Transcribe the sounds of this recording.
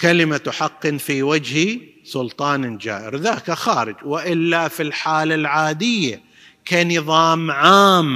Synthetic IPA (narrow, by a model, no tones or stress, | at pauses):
kalɪmat̪ʊħɑqːɨnfiwad͡ʒhisʊlt̪ˤɑːnd͡ʒa̰ːʔɪ̰ɾðaːkaxaːɾɪd͡ʒwɪʔɪlːafilħaːlalʕaːd̪ɪjːa | kanɨðˤɑːmʕaːm